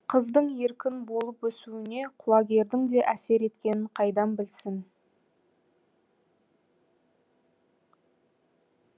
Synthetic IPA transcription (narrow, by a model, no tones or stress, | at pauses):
qʰəzd̪əɴje̞ɾkʲɪnbo̞lˠəpwɵsuɪne̞qʰʊlˠɑɡʲe̞ɾd̪ɪŋd̪e̞ʔæse̞ɾe̞t̪kʲe̞nɪɴqʰɑjd̪ɑmbɪlsɪn